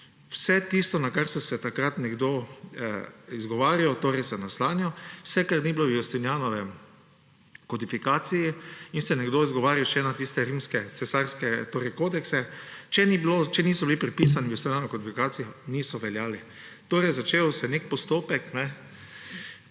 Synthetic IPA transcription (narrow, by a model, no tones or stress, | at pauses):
wsɛt̪ist̪ɔnakaɾsɔsɛt̪akɾat̪nɛɡd̪o | izɡɔʋaːɾijɔt̪oːɾɛjsɛnaslaːnjɔwsɛkaɾnibilowjost̪injaːnɔʋɛ | kɔd̪ifikaːt̪sijiinsɛnɛɡd̪oizɡɔʋaːɾiwʃɛnat̪ist̪ɛɾiːmskɛt̪sɛsaɾskɛt̪oːɾɛɪjkoːd̪ɛksɛt͡ʃɛnibilot͡ʃɛniːsɔbilipɾɛpiːsanijost̪inʲjanoɔkɔd̪ifikaːsijɔniːsɔʋɛljaːli | t̪oːɾɛjzat͡ʃeːwsɛnek̚pɔst̪oːpɛknɛ